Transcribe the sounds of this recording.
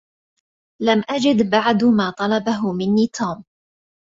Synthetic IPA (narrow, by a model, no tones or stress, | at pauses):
lamʔad͡ʒɪd̪baʕd̪maːt̪ˤɑlɑbaɦʊmɪnːiːt̪ʰuːm